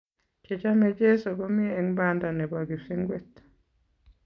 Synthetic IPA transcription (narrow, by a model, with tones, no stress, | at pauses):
ke˨t͡ʃa˦mɛ˨d͡ʒe˦so˨ɡo˦mɪ˦ee˦ŋbanda˨nɛ˨ba˨ɡi˨si˦ŋɡwe˨t